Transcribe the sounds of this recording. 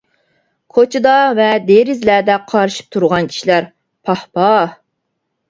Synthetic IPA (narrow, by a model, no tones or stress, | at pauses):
kʰot͡ʃʰɨd̪ɑvɛd̪eɾɪzlæd̪ɛqʰɑɾɨʃi̥p̚t̪ʰuɾʁɑnkʲʰi̥ʃilæɾ | pʰɑhpɑ